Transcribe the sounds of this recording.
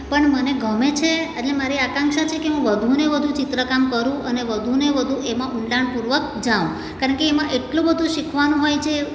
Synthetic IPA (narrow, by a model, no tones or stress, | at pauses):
pəɳməneɡʱəmet͡ʃʰeəʈlemaɾiakãŋkʃat͡ʃʰekeɦũʋəd̪ʱuneʋəd̪ʱũt͡ʃit̪ɾəkamkəɾũəneʋəd̪ʱuneʋəd̪ʱũʔemãʔʊɳlaɳpuɾʋək̚ | d͡ʒaʋũ | kaɾəɳkeːmãʔeʈlũbəd̪ʱũʃikʰʋanũɦojt͡ʃʰe